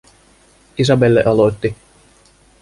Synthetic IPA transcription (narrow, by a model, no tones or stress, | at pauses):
is̬ɑbelːḛʔɑlot̪ːi